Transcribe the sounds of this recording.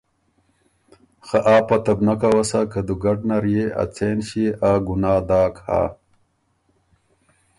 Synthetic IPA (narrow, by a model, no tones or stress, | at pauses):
xaʔaːpat̪ɐbnakawasakad̪uɡɐɖnaɾjea̰t͡seːnɕiaɡunaːd̪aːkha̰ː